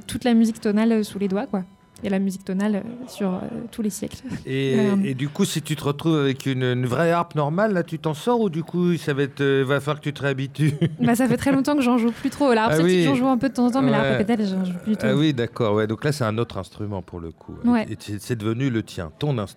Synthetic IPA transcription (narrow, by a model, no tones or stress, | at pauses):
t̪ut̪lamyzikt̪ɔnaløsuled̪wakwa | elamyzik̚t̪ɔnalø̰syʁø̰t̪ʰulesjɛ̰kleed̪ykusit̪yt̪əʁət̪χuvavɛkʰynnvʁɛaʁpnɔʁmalːat̪yt̪ɑ̃sɔʁud̪ykʰusavaɛt̪øivafaʁkət̪yt̪əʁeabit̪ybas̬afɛt̪χɛlɔ̃t̪ɑ̃kəʒɑ̃ʒuplyt̪χolawiikɑ̃ʒuɛ̃pød̪ət̪ɑ̃zɑ̃t̪̬ɑ̃mɛlaaʁppet̪ɛvɛʒɑ̃ʒuplyd̪yt̪uawid̪akɔʁwɛd̪ɔ̃klasɛt̪ɛ̃not̪χɛ̃st̪χymɑ̰̃puʁlə̰kʰṵwɛeɛsɛd̪əvənylət̪jɛ̰̃t̪ɔ̃nɛ̃st̪